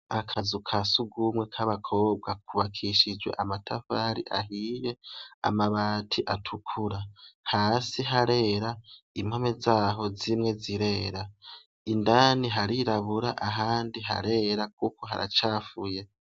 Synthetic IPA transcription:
akʰazukʰasuɡumwe̞kʰaβakʰo̞ːbɡakʰuβakʰiʃid͡ʒwe̞̰ʔamatʰafaɾḭʔaɦiːje̞a̰maβaːtʰiʔatʰukʰuɾahaːsiɦaɾe̞ɾaim̥home̞zaːɦo̞zimŋe̞ziɾe̞ːɾa | indaːniɦaɾiɾaβuɾaʔaɦaːndiɦa̰ɾe̞ɾak̚ukoɦa̰ɾa̰t͡ʃaːfuje̞

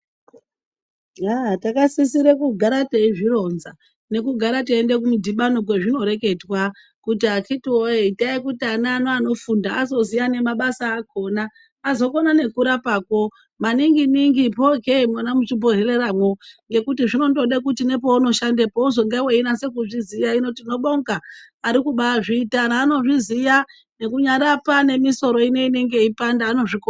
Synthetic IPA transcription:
atakasisiɾekuɡʱaɾateiʐiɾo̞nza | ne̞kuɡʱaɾateendek̬umudʱiɓanok̬weʐino̞ɾe̞ke̞dwa | kut̬iakʰitioeitaikutianaːnoano̞fundaːzo̞zijane̞maɓasaːkʰo̞naː | zo̞konane̞kuɾapaːko̞ | maniŋɡiniŋɡipokemwanamut͡ʃibʱo̞ɦereɾamwo̞ŋɡe̞kutiʐino̞ndo̞ɗekutine̞p̬o̞uno̞ʃandepouzoŋɡeweinase̞kuʐizijaino̞tino̞ɓoŋɡaː | ɾikuɓaʐiːtanaːno̞ʐizija | ne̞kuɲaɾapane̞miso̞ɾo̞ine̞ine̞ŋɡe̞ipandaːno̞ʐiko

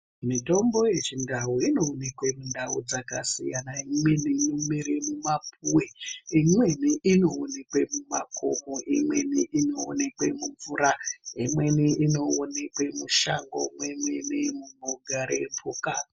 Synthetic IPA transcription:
mito̞mbo̞je̞t͡ʃindaɦoino̞ːnekwemundʱaṵd͡zakasḭjanaimwe̞ninomiɾemumap̚ʰuweimwe̞niʔino̞ːnekwe̞mumakʰo̞̰moʔimwe̞niʔino̞̰ːne̞kwḛmuɱvuɾaimwe̞niʔino̞ːne̞kwe̞muʃaŋɡo̞̰mwemwenemumoɡʱaɾḛpʰuka

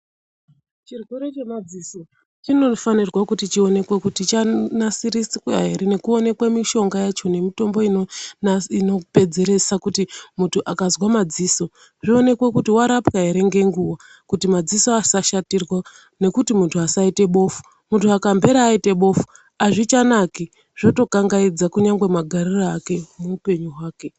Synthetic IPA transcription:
t͡ʃirɡuɾet͡ʃemad͡ziso | t͡ʃino̞fanirwakutit͡ʃio̞ne̞kwekutit͡ʃanasiɾisikwa̰ɦe̞ɾene̞kuo̞ne̞kwemiʃo̞ŋɡajat͡ʃo̞ne̞mito̞mbo̞inoino̞pe̞d͡ze̞ɾe̞sakutimutʰuʔakazwamad͡ziːso̞ | ʐio̞ne̞kwe̞kutiwaɾapkaɦeɾe̞ŋɡe̞ŋɡuwa | kutimad͡ziso̞asaʃatirwa | ne̞kutimuntʰuasaite̞ɓo̞fu̥ | muntʰuakambʱe̞ɾaːite̞ɓo̞fu̥ | aʐit͡ʃanaki | ʐ̥o̞to̞kaŋɡaid͡zakuɲaŋɡwe̞maɡʱariraake̞muːpe̞ɲuwaːke̞

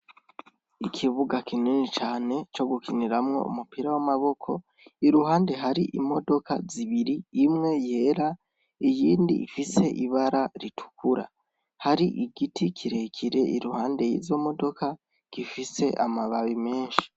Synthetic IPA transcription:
ikʰiβuɡakʰininit͡ʃaːne̞t͡ʃo̞ɡukʰiniɾamŋo̞̰ṵmupiɾawamaβo̞kʰo̞ | iɾuɦaːnde̞ɦaɾiʔimo̞do̞kʰaziβiɾiːmŋe̞je̞ːɾa | ijiːndḭifise̞ʔiβaɾaɾitʰu̥kuɾa̰ | haɾiʔiɡitikʰiɾe̞kʰiɾe̞ʔiɾuhaːnde̞jḭzo̞mo̞do̞kʰa | ɡ̥ifise̞ʔamaβaβime̞ːnʃi̥

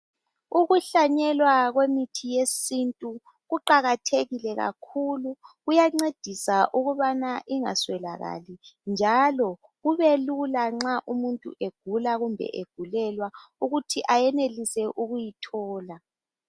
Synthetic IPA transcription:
uɣuɬaɲɛlwaɣwemitʰijesintʼu | ɣuǃaɣatʰeɣilɛɣa̰kʰuluɣujaŋ͡ǀed̥ʱisaʔuɣuβanaʔiŋa̰swɛla̰ɣa̰lind͡ʒʱalɔ | ɣuβelulaŋ͡ǁaʔumuntʼṵʔeɡ̥ʱulaɣumbʱɛ̰ʔeɡ̥ʱulɛlwauɣutʰiʔajɛnelisɛʔuɣujitʰɔːla

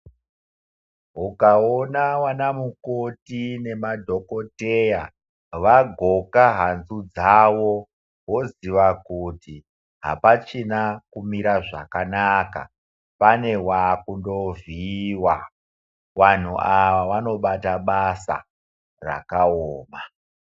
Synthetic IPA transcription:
ɦukaonawanamukotine̞madʱo̞ko̞teja | ʋaɡʱo̞kaɦanzud͡zawo | ɦo̞ziʋakuti | ɦa̰pat͡ʃinakumiɾaʐa̰kanaka̰ | pane̞wakundo̞viwa | ʋan̤ṵʔaʋaʋano̞ɓataɓasa̰ | ra̰kaoːma

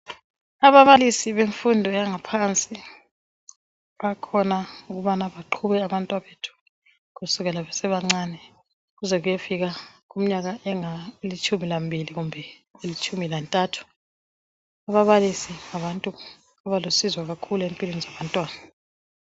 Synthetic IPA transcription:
aβaβalisiβeɱfundʱɔjaŋapʰant͡sʼi | βakʰɔnauɣuβanaβaǃʰuβɛaβantʼwaβetʰu̥ | ɣusuɣɛlaβɛsɛβaŋ͡ǀaːnɛ | ɣuzɛɣujefiɣaɣum̩ɲaɣaʔɛŋaelit͡ʃʰʼumilambʱiliɣumbʱɛ | elit͡ʃʰʼumilantʼatʰu̥ | aβaβalisiŋaβantʼu | aβalosizwaɣakʰuluempʼilwenizaβantʼwaːna

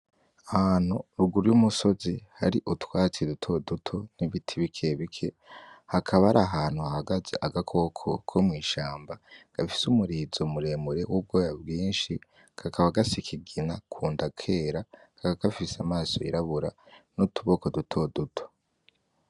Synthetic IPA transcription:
ahaːn̥huɾuɡuɾujumuso̞zihaɾiʔutwaːt͡sidutʰo̞dutʰo̞niβitʰiβikʰeβikʰe̞ | hakʰaβaɾaɦaːn̥huahaɡazḛʔaɡakʰo̞kʰo̞̰kʰomŋiːʃaːmbaɡ̥afi̥sumuɾiːzomuɾe̞ːmuɾe̞wub̚ɡoːjabɡiːnʃi | kʰakʰaβaɡasikʰiɡinakʰuːndakʰe̞ːɾakakakafisamaːso̞̰ḭɾaβuɾanutuβo̞ko̞dutʰo̞dutʰo̞̥

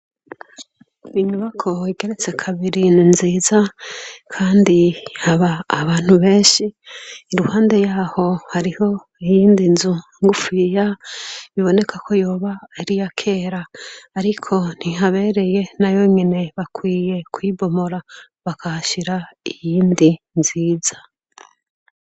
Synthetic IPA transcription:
iɲuβakʰo̞iɡe̞ɾe̞t͡se̞kʰaβiɾininziːzakʰaːndihaβaːβaːn̥huβe̞ːɲʃiːɾuhaːnde̞jaːho̞haɾiho̞ | ijiːndinzu | ŋɡufijaβiβo̞ne̞kʰakʰo̞jo̞ːβaaɾijakʰe̞ːɾaːɾikʰo̞n̥iɦaβe̞ɾe̞je̞najo̞ɲene̞βakwiːje̞kwiːbo̞moɾa | βakʰahaʃiɾaijiːndi | nziːzḁ

